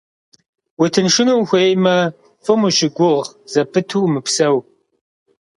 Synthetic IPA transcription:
wʊtʰɨnʂɪnuwxʷejmɐ | fʼɨmʊʃɪɡʷʊʁz̥ɐpʰɨtʰuːmɨpsɐw

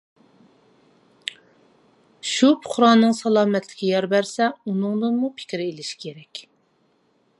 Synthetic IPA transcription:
ʃupʰʊ̥χɾɑnːɨŋsɑlˠɑːmɛt̪lɪ̥kʲijɑɾbæɾsɛunɨŋd̪ɨnmupʰɪ̥kʲɾɪelɪʃi̥kʲʰeɾɛkʲ

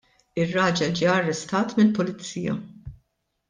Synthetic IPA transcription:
ɪrːɐːd͡ʒɛld͡ʒiːɐrːɛst̪ɐːt̪mɪlpʊlɪt͡sːiːjɐ̰

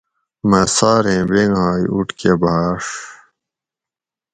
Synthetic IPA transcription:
mɐsaːɾẽːbeŋɦaːjuʈkebaːʂ

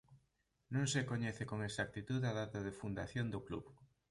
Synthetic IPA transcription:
nũŋsekoɲeθekoŋesak̚t̪it̪uðaðat̪aðefund̪aθjond̪oklṵβ

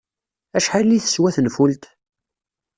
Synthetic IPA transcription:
æʃħalːiθə̥swæθənfult̪

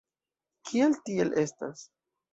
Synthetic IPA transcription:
kʰieltielʔe̞sta̰s

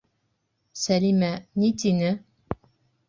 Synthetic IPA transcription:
sælimænit̪inɘ

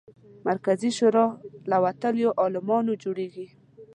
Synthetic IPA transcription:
maɾkaziʃoɾɑlawat̪əljoʔɑlɪmɑnod͡ʒoɽeɡi

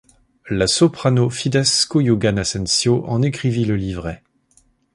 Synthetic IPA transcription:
lasɔpχanofid̪ɛskojuɡanasɛ̃nsjoʔɑ̃nekχiviləlivʁɛ

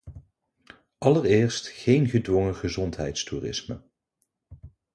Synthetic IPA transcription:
ʔɑlərɪːɹstχejnχədʋɔŋəχəzɔntɦɛ̰jtstuːrɪ̰smə̰

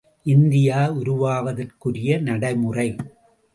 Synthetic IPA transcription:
ʔɪnd̪ɪjaːʊɾʊʋaːʋɐðɐrkɯɾɪjɐnɐɽɐɪmɯrɐɪ

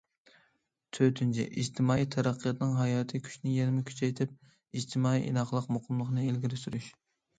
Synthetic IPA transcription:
t̪ʰøt̪ʰynt͡ʃʰḭʔḭd͡ʒt̪ʰɪmɑːijt̪ʰæɾæqʰːəjɑt̪nɨŋɦɑjɑːt̪ʰɨkʲʰy̥ʃnɪjɛnɪmɪkʲʰy̥t͡ʃʰɛjt̪ʰɪp̚ | id͡ʒt̪ʰɪmɑːḭʔḭnɑχlˠəqmoqʰʊmlˠəχnɨelɡʲiɾɪsyɾyʃ

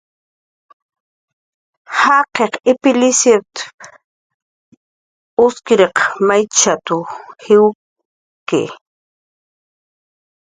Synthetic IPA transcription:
hɑqeqɪpɪlɪsjet̪ | ʊskɪɾeqmajt͡ʃat̪ʊhɪw | kḛ

